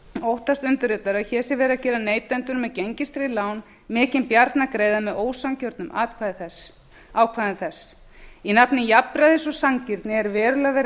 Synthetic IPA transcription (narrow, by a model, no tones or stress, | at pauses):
owht̪ast̪ʏnt̪ɪɾɪːt̪aɾaðçɛːsɛvɛːɾacɛːɾaneːjt̪ɛnt̪ʏɾmɛðcejɲcɪst̪ɾilaːwn | mɪːcɪnpjaɾt̪nakɾeːjðamɛðoːwsaŋcœɾt̪nʏmaːt̪kʰvaːðθɛ | aːwkʰvaːðɪnθɛsː | inapnɪnjapɾaðɪsɔsaŋcɪɾt̪nɪɛɾvɛːɾʏlavɛːɾ